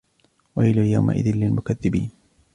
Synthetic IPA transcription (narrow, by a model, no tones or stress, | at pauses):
waʔɪlajawma̰ʔɪ̰ðɪnlɪlmʊkaðːɪbḭːn